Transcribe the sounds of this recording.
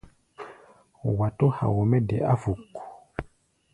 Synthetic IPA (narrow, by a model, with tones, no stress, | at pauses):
wa˨to˦ha̰˨wɔ˨mɛ˦dɛ˨ʔa˦vu˨kːu̥˨